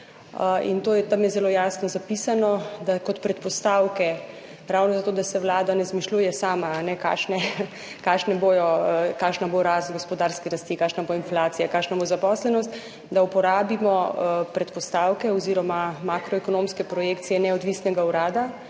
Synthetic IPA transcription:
ḭnt̪oːjɛt̪amjɛzɛloːjaːsnɔzapisanɔd̪akɔt̪pɾɛt̪pɔst̪aːwkɛ | ɾawnɔzat̪oːd̪asɛwlaːd̪anɛzmiʃluːjɛsaːmaːnɛka̰ːʃnɛ | kaːʃnɛbojɔkaːʃnaboɾast̪ɡospɔd̪aːɾskɛɾast̪ikaːkʃnaboinflaːt̪sijakaːʃnabozapɔslɛnɔst̪ | d̪aupɔɾaːbimɔpɾɛt̪pɔst̪aːwkɛɔziɾɔmamakɾɔɛkɔnomskɛpɾɔjekt̪sijɛnɛɔd̪ʋiːsnɛɡauɾaːd̪a

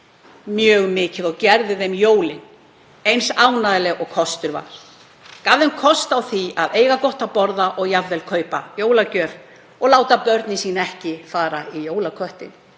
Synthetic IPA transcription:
mjœːɣmɪːcɪðɔɣcɛɾðɪðejmjoːwlɪn | ejnsaːwnaðɪlɛɣɔɣkʰɔst̪ʏɾva̰ɾ̥ | kavðɛmkʰɔst̪awθiaðeːjɣakɔht̪apɔɾðaʔɔɣjavðɛlkʰœːɥpajoːwlacœːɾ | ɔɣlaːwt̪apœɾt̪nɪsiːnaɛhcɪfaːɾaijoːwlakʰœht̪ɪn

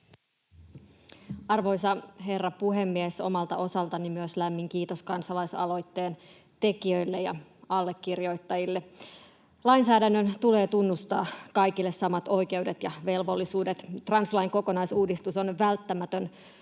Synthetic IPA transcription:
ɑrʋo̞jsɑɦe̞rːɑpuɦemːieso̞̰mɑlt̪ɑ̰ʔo̞sɑlt̪ɑnimyøslæmːiŋkiːt̪oskɑnsɑlɑjsɑ̰lo̞jt̪ːeːn | t̪e̞kiø̞jlːejɑ̰ɑlːekːirjo̞jt̪ːɑjilːe | lɑinsæːdænːønt̪ule̞ːt̪unːust̪ɑːkɑjkilːessɑmɑt̪o̞jke̞wdet̪jɑʋe̞lʋo̞lːisuːdet̪t̪rɑnslɑiŋko̞ko̞nɑjsuːdist̪uso̞nʋælt̪ːæmæt̪øn

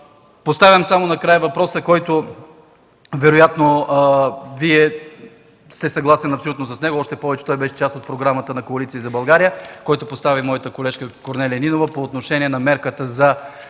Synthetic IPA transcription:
post̪avʲɐmsamonɐkɾajəvɐpɾɔsəkɔjt̪o | vɛɾojat̪no | viɛ | st̪ɛsɐɡlˠasɛnɐpsolʲut̪nos̬ɐsnɛɡoɔʃt̪ɛpɔvɛt͡ʃɛ̥t̪ɔjbɛʃɛ̥t͡ʃast̪ot̪̚pɾoɡɾamət̪ənɐkoɐlit̪siːzɐbɐlˠɡaɾijəkɔjt̪opost̪avʲimɔjət̪əkolɛʃkəkoɾnɛlʲiɐninovəpoːt̪noʃɛniɛnɐmɛɾkət̪əzɐ

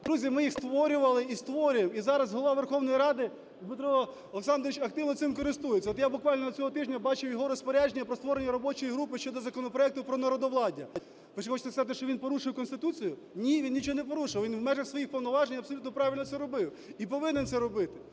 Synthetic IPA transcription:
d̪ɾuzʲimɪjixst̪ʋɔɾʲʊʋɐlˠɪist̪ʋɔɾʲʊjemizɑɾɐzɦɔlˠɔʋaʋerxɔwnɔjiɾɑd̪ɪ | zbɪt̪ɾɔɦɔ | ɔleksɑnd̪ɾɪt͡ʃɐk̚t̪ɪwnɔt̪sɪmkɔɾɪst̪ujɪt͡sʲːɐɔt̪jabʊkʋɑlʲnɔd̪ɐt͡sʲɔɦɔt̪ɪʒnʲɐbɑt͡ʃɪwjɔɦɔɾɔspɔɾʲaʒenʲːɐpɾɔst̪ʋɔɾenʲːɐɾɔbɔt͡ʃɔjiɦɾupɪʃt͡ʃɔd̪ɔzɐkɔnɔpɾɔɛk̚t̪ʊpɾɔnɐɾɔd̪ɔʋlˠɑdʲɐ | pɾɪt͡ʃɛxɔt͡ʃɪt̪skɐzɑt̪ɪʃt͡ʃɔʋinpɔɾuʃɪwkɔnst̪ɪt̪ut͡sʲijʊ | nʲiʋʲinnʲit͡ʃɔɦɔnɛpɔɾuʃɪɪwʋinʋmɛʒɐxsʋɔjixpɔwnɔʋɑʒenʲɐpsɔlʲut̪nɔpɾɑʋʲilʲnɔt̪sɛɾɔbɪw | ipɔʋɪnensɛɾɔbɪt̪ɪ̥

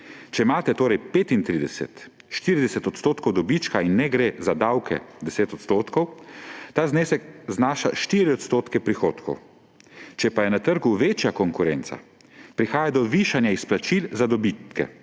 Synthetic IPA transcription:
t͡ʃɛimaːt̪ɛt̪oːɾɛjpeːt̪int̪ɾid̪ɛsɛ̰t̪ | ʃt̪iːɾid̪ɛsɛt̪ɔt̪st̪oːt̪kʰɔwd̪ɔbit͡ʃkainːɛɡɾezad̪awkʰɛ̰d̪ɛseːt̪ɔt̪st̪oːt̪kɔwt̪aːzneːsɛkznaːʃa̰ʃt̪iɾiɔt̪st̪oːt̪kɛpɾixoːt̪kʰɔ̰w | t͡ʃɛpajɛnat̪əɾɡuʋeːt͡ʃjakɔŋkuɾɛːnt̪sa̰ | pɾixaːjad̪ɔʋiʃanjaisplat͡ʃilzad̪ɔbit̪kɛ̰

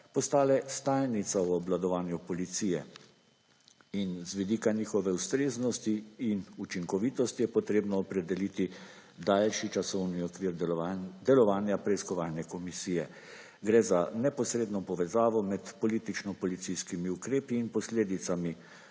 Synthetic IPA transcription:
pɔst̪aːlɛst̪aːjnit̪sawɔblad̪ɔʋaːnjupɔlit̪siːjɛ | inzʋid̪iːkanixɔʋɛust̪ɾeːznɔst̪iːnut͡ʃiŋkɔʋit̪ɔst̪ijɛpɔt̪ɾeːbnɔːpɾɛd̪ɛlit̪i | d̪aːlʃit͡ʃasɔwniɔkʋiːɾd̪ɛlɔʋaːnjapɾɛiskɔʋaːlnɛkɔmisiːjɛ | ɡɾɛzanɛpɔsɾeːd̪nɔpɔʋɛzaːʋɔmɛt̪pɔliːt̪it͡ʃnɔpɔlit̪siskimiukɾeːpiːnpɔsleːd̪it̪sami

